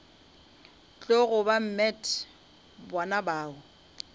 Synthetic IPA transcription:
t͡ɬʼoɣʊbam̩mɛtʰʼ | bɔnabaːʊ

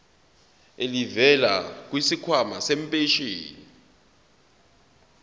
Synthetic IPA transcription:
elivɛlak̬wisikʰwamasem̩pʼeʃiːni

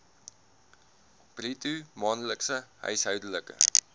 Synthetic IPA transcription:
b̥ritumɑːnləksəɦœ̰ɥsɦœwdələkə̰

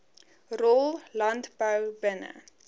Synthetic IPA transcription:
rɔlˠlɐntbəwbənə̰

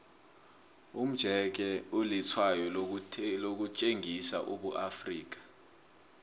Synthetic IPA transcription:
um̩d̥ʒ̥ʱɛk̬ɛulit͡sʰwajɔlok̬ut͡ʃʼeŋʱisa̰ʔuɓuʔafriːk̬ḁ

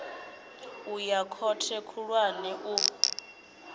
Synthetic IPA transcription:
ujakʰɔtʰɛkʰuɺwanɛʔu

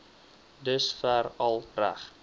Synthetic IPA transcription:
dəsfærɐlˠræ̰χ

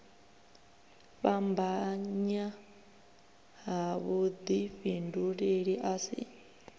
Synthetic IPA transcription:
βambaɲa | ɦaβud̪iɸinduɺeɺiʔasḭ

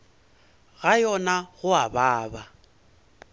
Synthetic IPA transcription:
ɣajɔnaɣʊabaːba

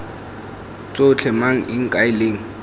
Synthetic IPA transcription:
t͡sʼot͡ɬʰɛmaŋ̩ʔɪŋ̩kʼaɪleːŋ̩

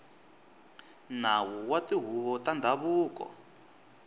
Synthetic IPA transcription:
nawuwatiɦuβɔtandʱaβuːkɔ̰

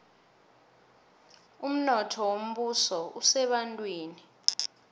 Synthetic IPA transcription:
um̩nɔtʰɔwom̩ɓusɔusɛɓantʼwiːni

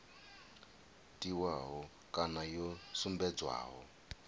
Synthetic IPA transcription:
tiwaɦɔ | kanajɔsumbɛd͡zwa̰ːɦɔ

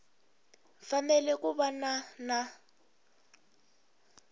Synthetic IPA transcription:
fanɛlɛkuβanana

